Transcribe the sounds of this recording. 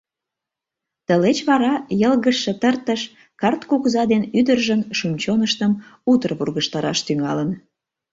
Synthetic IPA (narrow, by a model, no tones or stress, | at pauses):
t̪əlet͡ɕβɑɾɑjəlɣəʃːĕt̪ərt̪əʃ | kɑrt̪kukzɑd̪enyd̪ərʒənʃumt͡ɕonəʃt̪əmut̪ərβurɣəʃt̪ɑɾɑ̰ʃt̪yŋɑ̰lən